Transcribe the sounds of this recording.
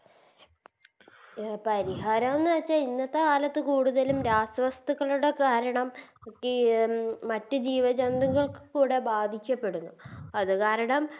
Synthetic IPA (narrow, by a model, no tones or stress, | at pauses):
pɐɾiɦaːɾɐmonːaːt͡ɕːainːɐt̪ːeaːlɐt̪ːɨkuːɽuðɐlumɾaːsɐʋɐst̪ɐɣːɐɭuɽe̞kaːɾɐɳɐmkːiː | ɐtːɨd͡ʑiːʋɐd͡ʑɐnd̪uŋɡɐɭkɨ̥kuːɽe̞baːd̪ʱikʲːɐpːe̞ɽunːuɐðɨkaːɾɐɳɐm